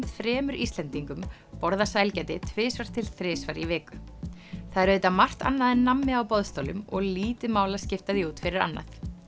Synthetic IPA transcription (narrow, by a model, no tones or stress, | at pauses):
t̪fɾɛːmʏɾʔist̪lɛnt̪iŋkʏm | pɔɾðasajlcɛt̪ɪt̪ʰvɪːsvaɾ̥t̪ʰɪlθɾɪːsvaɾivɛːkʏθaðɛɾeːt̪amar̥t̪a̰nːaðɪnːamːɪawpɔðst̪oːwlʏ̰mɔɣliːt̪ɪmaːwlascɪft̪aðiuːt̪fɪɾɪɾa̰nːa̰θ